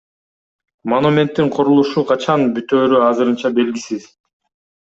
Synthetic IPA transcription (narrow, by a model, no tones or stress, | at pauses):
monumʲe̞nt̪ːiɴqʰoɾulˠuʃuqʰɑt͡ʃʰɑnbyt̪øːɾyɑzɯɾɯnt͡ʃɑbe̞lɡʲisiz̥